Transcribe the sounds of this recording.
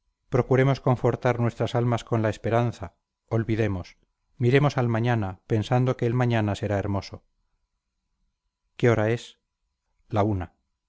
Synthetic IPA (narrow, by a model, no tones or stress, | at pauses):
pɾo̞kuɾe̞mo̞sko̞ɱfo̞ɾt̪aɾnwe̞st̪ɾasalmasko̞nlae̞spe̞ɾanθa | o̞lβiðe̞mo̞s | miɾe̞mo̞salmaɲanape̞nsand̪o̞keelmaɲanase̞ɾae̞ɾmo̞so | keo̞ɾae̞s | launa